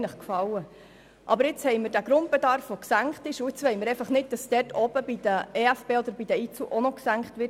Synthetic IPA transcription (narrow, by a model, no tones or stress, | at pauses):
nləχkfɑwə | ʔɑ̰bəɾɪt͡shɛɪməɾd̥æɡ̥ɾʊnd̚b̥edɑɾfʋoksæŋkχtɪʃʊɪt͡sʋɛɪməɾɛɪfɑχnɪd̚d̥ɑsd̥ɛrtʰɔb̥əbid̥əeːæfb̥eːɔd̪əɾbid̥əit͡suʔɔnɔksæŋkχtʋɪ